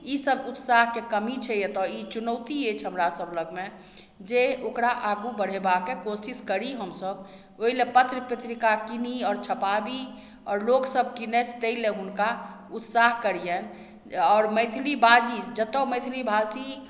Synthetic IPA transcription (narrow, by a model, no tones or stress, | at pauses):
isəbut̪saɦkekəmit͡ʃʰɛjet̪ɔit͡ʃunəwt̪iet͡ʃʰɦəmɾasəbləɡme | d͡ʒeokɾaʔaɡubəɽ̤ebakekosiskəɾiɦəmsəb | oɦilepət̪ɾəpɾet̪ɾikakiniɔːɾt͡ʃʰəpabi | ɔːɾloɡsəb̚kinɛt̪ʰt̪eileunka | ut̪saɦkəɾijɛn | ɔːɾməɪt̪ʰlibad͡ʒid͡ʒət̪ɔməɪt̪ʰilibʱasi